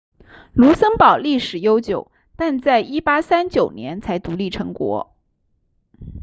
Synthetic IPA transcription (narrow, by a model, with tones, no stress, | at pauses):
lu˧˥sə˥ŋpɑ˨˩ʊli˥˩ʂɻ̩˨˩jo˥ʊt͡ɕjo˨˩˦ʊ | t̪a˥˧nt͡sa˥˩ɪi˥pa˥sa˥nt͡ɕjo˨˩ʊnjɛ˧˥nt͡sʰa˧˥ɪt̪u˧˥li˥˩ʈ͡ʂʰɤ˧˥ŋkwɔ̰˧˥